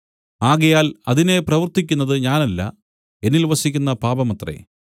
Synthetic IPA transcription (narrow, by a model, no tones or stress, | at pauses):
aːɣɐjaːlɐðine̞prɐʋɨrt̪ikʲːunːɐðɨɲaːnɐlːɐ̰ | e̞nːilʋɐsikʲːunːɐpaːbɐmɐt̪rḛ